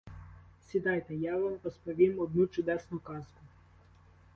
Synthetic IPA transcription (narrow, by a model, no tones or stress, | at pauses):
sʲid̪ɑjt̪ɛjɑʋamɾɔspɔʋʲimɔd̪̚nut͡ʃʊd̪ɛsnʊkɑzkʊ